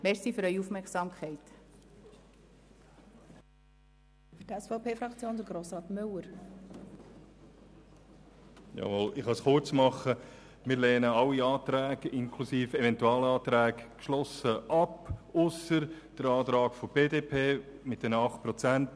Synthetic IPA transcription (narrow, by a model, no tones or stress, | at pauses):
mɛɾsifʏɾœʏiufmɛɾksɑːmkχɛɪt̪ | fyɾdɛsfɔʊpʰeːfɾɑkt͡sjoːnd̥̪əɾɡɾoːsɾɑːt̪mʏlːəɾ | jɑ̰volɪχhɑsχʊrt͡smɑχə | mɪːɾlɛːnəɑlːiɑːt̪ɾæːɡɪnkʰlusiːfɛvɛntuɑːlɑːt̪ɾæːɡkʃlɔsəʔɑpʊsəɾ | d̥əɾɑːtɾɑːkfɔb̥eːdeːpʰeːmɪt̚d̥ɛnəɑχt̚pɾɔt͡sænt